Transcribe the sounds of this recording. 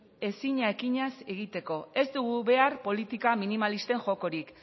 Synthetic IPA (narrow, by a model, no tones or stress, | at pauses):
e̞siɲaekiɲaseɣ̞it̪e̞ko̞e̞zd̪uɣ̞uβe̞aɾpo̞lit̪ikaminimalist̪e̞ŋʝo̞ko̞ɾik